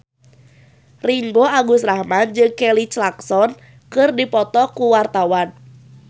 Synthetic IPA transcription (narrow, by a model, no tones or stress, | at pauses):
riŋɡoaɡʊsrahmand͡ʒɨŋkɛlit͡ʃlaksɔn | kɨrdipɔt̪ɔkuwart̪awan